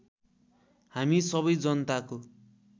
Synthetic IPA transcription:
hamisʌβʌjd͡zʌnt̪ako

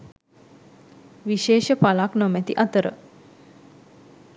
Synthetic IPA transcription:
ʋiʃeːʃəpalaknomæt̪iʔat̪əɾə̰

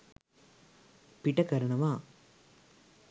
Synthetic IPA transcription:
piʈːɐkɐɾɐɳɐmaː

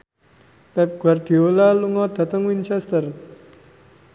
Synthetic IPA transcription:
pɛp̚ɡ̥ward̪̥iolaluŋɔd̪̥ä̤t̪əŋwint͡ʃɛst̪ər

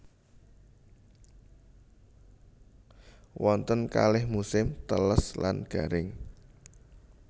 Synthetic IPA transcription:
wʔɔnt̪ənka̰lɪhmusɪmt̪ələsla̰nɡ̥a̤ɾɪŋ

